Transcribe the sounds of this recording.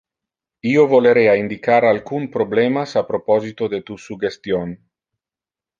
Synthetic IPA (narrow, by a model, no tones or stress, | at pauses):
iovoleɾeaind̪ikaɾalkunpɾoblemasapɾopɔzit̪od̪et̪usuɡest̪jon